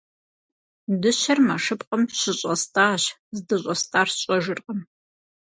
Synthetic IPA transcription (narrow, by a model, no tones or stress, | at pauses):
dɨɕɐrmaʂɨpqʼəmɕɪɕʼɐstʰʼaːɕ | zdɨɕʼɐstʼaːrɕʼɔʒɨrqʼɐm